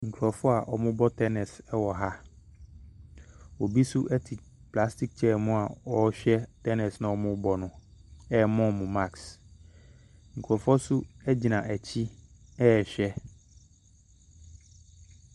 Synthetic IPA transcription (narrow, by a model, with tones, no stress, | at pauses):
ŋ̩˨kʰu˨ɾɔ˨fɔ˦a˨ʔɔ˨mʊ̃˦bɔ˦tʰɛ˦nɛ˨sɛ˦wɔ˨ɦa˦ | o˨bi˦sʊ˦ʔɛ˦tʰi˨ | pla˦sti˦k̚t͡ɕʰɛ˦˨mʊ̃˦a˨ɔ˦ɕᶣɛ˦tʰɛ˦nɛ˨snã˨ɔ˦˨mʊ̃˦bɔ˨nʊ̃˨ɛ˦˨mɔ̃˦mʊ̃˨ma˦˨ks | ŋ̩˨kʰu˨ɔ˨fɔ˦sʊ˦ɛ˦d͡ʑi˨nã˨ʔɛ˨t͡ɕʰi˦ɛ˦ɛ˨ɕᶣɛ˦